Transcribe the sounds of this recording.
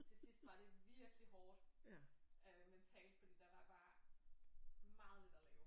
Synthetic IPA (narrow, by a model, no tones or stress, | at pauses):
t͡sʰe̝sisd̥ʋɑ̈d̥e̝ʋiɐɡ̥əliɦɒːd̥ | ʔøment͡sʰɛ̰ːld̥̚pʰɒ̽d̥e̝d̥æd̥ɑ̈b̥ɑ̈ː | mɑ̈ːð̞̩ˠned̥ɐlɛːʊ